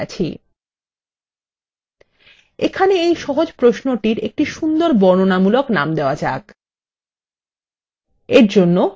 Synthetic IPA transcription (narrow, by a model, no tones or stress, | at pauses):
a̰t͡ɕʰḭ | ekʰaneejʃɔɦod͡ʑpɾoʃnoʈiɾek̚ʈiʃund̪oɾbɔɾnonamuloknamd̪eoad͡ʑa̰k | eɾd͡ʑonːo